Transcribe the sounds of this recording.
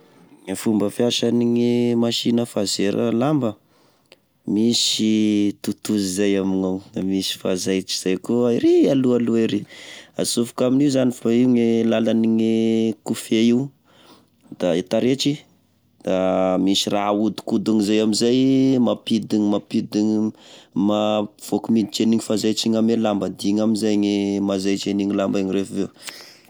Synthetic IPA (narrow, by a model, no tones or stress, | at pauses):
fumbəfiaʃaniŋimaʃinəfazeɾʔə̰lambə | misit̪ut̪uzizajaminaw̪amisi̥fazajt͡ʃi̥z̥ajkuiɾialualueɾia̰sufukaminizanifaiuŋelalaniŋikufeiw | d̪̥aet̪aɾet͡ʃi | d̪̥amisiraud̪i̥kud̪uŋizajamizajmapid̪iŋimapid̪iŋ | mav̥okumid̪it͡ʃeniŋifazajt͡ʃiŋamelambad̪iŋaminzajɲemazajt͡ʃeniŋilambaɲirefvew